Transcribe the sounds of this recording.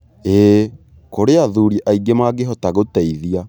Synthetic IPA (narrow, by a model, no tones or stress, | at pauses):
e | koɾeaðuɾiʔaiɡemaɡeɦɔtaɣotɛiðia